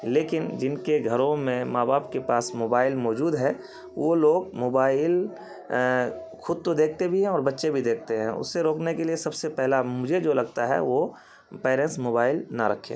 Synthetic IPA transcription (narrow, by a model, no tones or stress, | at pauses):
leːkɪnd͡ʒɪnkeɡʱɐɾõmẽmaːbaːpkepaːsmoːbaːɪlmɔːd͡ʒuːd̪ɦɛ̃ | ʋoloːɡmoːbaːɪl | xʰʊd̪̚t̪od̪eːk̚ʰt̪ebʱiɦɛ̃ɔːɾbɐtːʃebʱid̪eːk̚ʰt̪eɦɛ̃ʊ̰sːeɾoːknekeliesɐbsepɛɦlamʊd͡ʒʱed͡ʒoːlɐɡt̪aɦɛ̰ʋo | peːɾẽːsmoːbaːɪlnaɾɐkʰːḛ